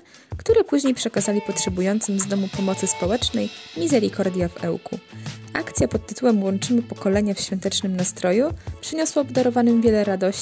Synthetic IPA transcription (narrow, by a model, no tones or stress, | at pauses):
kt̪uɾɛpuʑɲejpʂɛkazalʲipɔtʂɛbujɔnt̪sɘmzd̪ɔmupɔmɔt̪sɘspɔwɛt͡ʂnɛjmʲizɛɾʲikɔɾd̪ʲjavɛ̰wkṵakt̪sʲjapɔt̪ːɘt̪uwɛmwɔnt͡ʂɘmɘpɔkɔlɛɲafɕfʲjɔ̃nt̪ɛt͡ʂnɘmnast̪ɾɔjupʂɘɲɔswavd̪aɾɔvanɘmvʲjɛlɛɾad̪ɔɕ